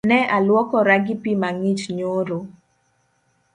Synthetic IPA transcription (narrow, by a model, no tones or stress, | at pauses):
nɛalwɔkɔɾaɡipimaŋit͡ʃɲoɾo